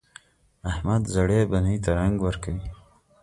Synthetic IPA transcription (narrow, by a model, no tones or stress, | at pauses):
ahmad̪zaɽebanit̪aɾaŋɡwəɾkawi